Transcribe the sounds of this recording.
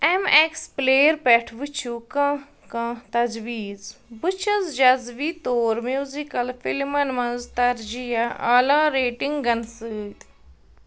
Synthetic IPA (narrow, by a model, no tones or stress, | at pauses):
emekspleːɾpɛʈʰʋɨt͡ʃʰukɐ̃ | kɐ̃t̪ɐzʋiːzbɨt͡ʃʰɐzd͡ʒɐzʋiːt̪oːɾmjuːzikɐlfʰilmɐnmɐ̃nzt̪ɐɾd͡ʒijaʔalaːɾeːʈiŋɡɡɐnsɨːt̪